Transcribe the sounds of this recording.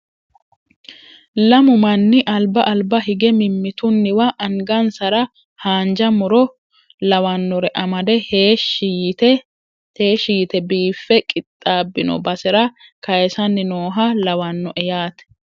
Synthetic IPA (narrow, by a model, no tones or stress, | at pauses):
lɐmʊmɐnːɪʔɐlbɐʔɐlbɐɦɪɡɛmɪmːɪt̪ʊnːɪwɐʔɐŋɡɐnsɐɾɐ | haːnd͡ʒɐmʊɾɔ | lɐwɐnːɔɾɛʔɐmɐd̪ɛhe | eːʃijɪt̪ɛbiːfːɛkʼɪt̪ʼːaːbːɪnɔ̰bɐsɛɾɐkɐjɛsɐnːɪno̞ːɦɐlɐwɐnːɔʔɛjaːt̪ɛ̥